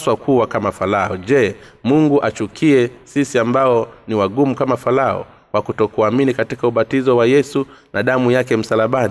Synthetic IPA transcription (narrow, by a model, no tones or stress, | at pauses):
swakuwakamafalaɔʄɛmuŋɡuʔat͡ʃukʰiɛsisiambaɔniwaɡumukamafalaɔ̰ | wakutɔkuaminikatikauɓatizɔwajɛsunʔaɗamujakɛm̩salaɓani